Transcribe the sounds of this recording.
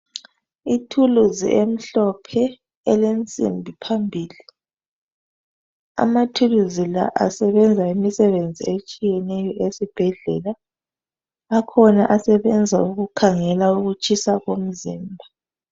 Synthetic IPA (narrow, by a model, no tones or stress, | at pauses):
itʰuluzḭʔem̩ɬɔpʰɛ | ɛlent͡sʼḭmbʱipʰambʱiːli | a̰matʰuluzila̰ʔa̰sɛβɛnd͡zʱaimisɛβend͡zʱiet͡ʃʼijɛnɛjɔʔesib̥ʱɛɮɛ̰la | kʰɔnaʔasɛβɛnd͡zʱauɣukʰaŋɛlauɣut͡ʃʼisaɣom̩ziːmbʱa